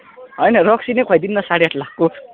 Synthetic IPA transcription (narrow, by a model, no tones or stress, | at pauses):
ɦʌjnʌrʌksinejkʰʌjd̪inːʌsaɽiaʈʰlakkːo